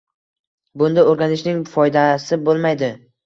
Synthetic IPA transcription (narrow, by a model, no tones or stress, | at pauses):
bʊnd̪aoɾɡʲanɪʃnɪŋfɒjd̪asɪbolˠmajd̪ɪ